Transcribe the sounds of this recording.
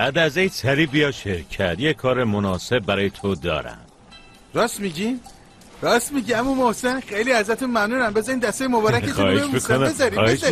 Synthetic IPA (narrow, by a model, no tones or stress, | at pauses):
bæd̪æzejsæɾiːbijɒʃecʰæɾd̪jekʰɒːɾemonɒːse̞b̚ːæɾɒːjet̪ʰod̪ɒ̰ːɾæ̰m | ɾɒːst̪miɟin | ɾɒːst̪miɟiæmumohse̞nxejliːæzɾæt̪ʰunmæmnuːnæmbe̞zɒɾiːmd̪æst̪ejemobɒːɾækexʰːeeʃmmiskonezɒɾiːheʃ